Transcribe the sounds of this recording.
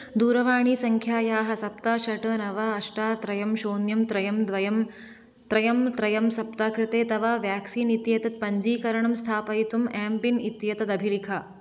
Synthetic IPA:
d̪uːɾɐʋaːɳ̃iːsɐŋkʰjaːjaːɦɐsɐp̚t̪aːʃɐʈɐːnɐʋaːɐʂʈaːt̪ɾɐjɐmʃoːnjɐmt̪ɾɐjɐmd̪ʋɐjɐm | t̪ɾɐjɐmt̪ɾɐjɐmsɐpt̪aːkɾɪt̪eːt̪ɐʋaːʋjaːksiːnit̪jɐt̪ɐt̪̚pɐɲd͡ʒiːkɐɾɐɳɐmst̪ʰaːpɐjt̪umɛːmpinit̪jɐt̪ɐd̪ɐbʱilikʰaː

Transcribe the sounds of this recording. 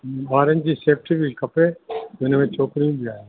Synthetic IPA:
baːɾənd͡ʒiseːp̚ʈibʱikɐpeonemẽt͡ʃoːkɾiũbʱiaːje

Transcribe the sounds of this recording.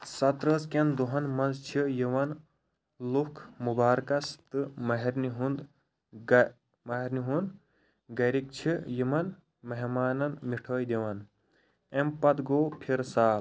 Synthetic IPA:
sɐt̪ɾəːzkʲɐnd̪uɦɐnmɐnzt͡ʃʰijiʋɐn | lukʰmubaːɾkɐst̪ɨmɐɦɐɾniɦund̪ | mɐɦɐɾniɦund̪ | ɡɐɾik̚t͡ʃʰijimɐn | mɐɦmaːnɐnmiʈʰoːjd̪eʋɐn | empɐt̪ɡoːpʰiɾsaːl

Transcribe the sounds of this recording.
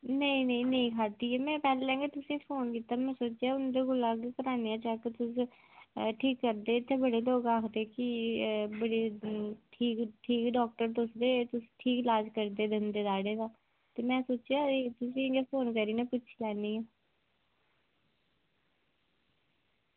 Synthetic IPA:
nəĩːnəĩːnəĩːkʰaːt̪iːɛːmɛ̃ːpɛːleɛ̃ːŋɡeːt̪ʊsĩːpʰoːnkiːt̪aːmɛ̃ːsoːt͡ʃjaːʊnd̪eːɡʊlaːɡekəɾaːnejãːt͡ʃɛːkt̪ʊs | ʈʰiːkːəɾd̪eːɪt̪ʰːeːbəɽeːloːkaːkʰd̪eːkɪbəɽeːʈʰiːkʈʰiːkɖɔːk̚ʈəɾt̪ʊsd̪eːt̪ʊsʈʰiːklaːd͡ʒkəɾd̪eːd̪ɪnd̪eːd̪aːɽeːd̪aː | t̪eːmɛ̃ːsoːt͡ʃjaːt̪ʊsĩːeŋɡeːpʰoːnkəɾiːneːpʊt͡ʃʃʰlɛːniɛː

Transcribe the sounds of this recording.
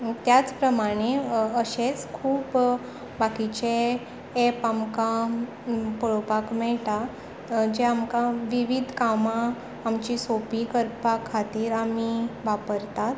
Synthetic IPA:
t̪jat͡spɾəmaɽ̃eəɕet͡skʰuːp | bakit͡ɕe | epamka | pəɭopakmɛɭʈa | d͡ʑeamkaʋiʋid̪ʱkamãː | mt͡ɕisopikəɾpakʰːat̪iːɾamiʋapəɾt̪at̪

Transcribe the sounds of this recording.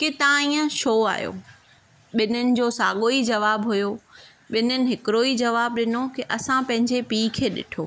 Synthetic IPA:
kɪt̪ãĩːə̃ʃoːa̰ːjo̰ː | ɓɪnənɪ̆d͡ʑoːsaːɠoːid͡ʑɐʋaːbɦʊjo | ɓɪnənɪ̆ɦɪkɪɾoid͡ʑɐʋaːb̚ɗɪnokiʔɐsãpɐ̃ɦɪ̃ɲd͡ʑepiːkʰeːɗɪ̰ʈʰoː

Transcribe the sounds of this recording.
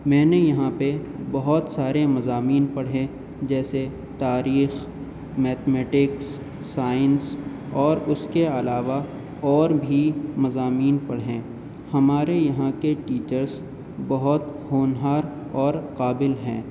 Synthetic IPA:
mɛ̃ːnejɐɦãpebɐɦʊt̪saːɾemɐzaːmiːnpɐɽ̤ẽ | d͡ʒɛːse | t̪aːɾiːx | mɛːt̪mɛːʈɪksː | aːɪns | ɔːɾʊskeɐlaːʋa | ɔːɾbʱimɐzaːmiːnpɐɽɦẽː | hɐmaːɾejɐɦãkeʈiːt͡ʃəɾz | bɐɦʊt̪hoːnɦaːɾ | ɔːɾqaːbɪlɦɛ̰̃ː

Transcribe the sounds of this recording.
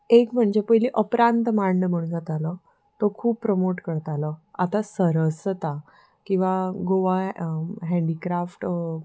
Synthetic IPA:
ekm̤əɳd͡ʑepəjliʔəpɾant̪maɾnəm̤əɽ̃d͡zat̪alə | t̪okʰuːbpɾəmoʈkəɾt̪aləa̰t̪asəɾəsət̪a | kĩw̃ʋaɡoʋaɦɛ̃ɳɖikɾafʈ

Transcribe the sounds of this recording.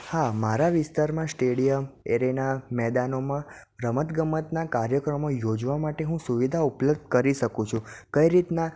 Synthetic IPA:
hamaɾaʋɪst̪aɾmãsʈeɽijəmeɾenamɛd̪anomã | ɾəmət̪ɡəmət̪nakaɾjəkɾəmojod͡ʒʋamaʈeɦũsuʋid̪ʱaupləb̚d̪̚ʱkəɾiʃəkũt͡ʃʰũkəiɾit̪na

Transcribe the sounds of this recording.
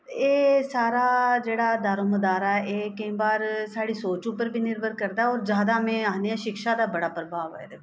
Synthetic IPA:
eːsaːɾaːd͡ʒeːɽaːd̪aːɾõːməd̪aːɾaːɛeːkəĩːbaːɾsaːɽiːsoːt͡ʃũːpəɾbiːnɪɾbʱəɾkəɾd̪aɛɔːɾd͡ʒjaːd̪aːmẽːaːnijãːʃɪkʃaːd̪aːbəɽaːpɾəbʱaːʋɛ̰ːd̪eː

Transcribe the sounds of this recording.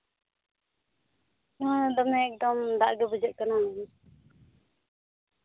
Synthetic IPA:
naad̪ɔmɛːk̚d̪ɔmd̪aʔɡɛbud͡ʒəʔ̪̚kanaɛn

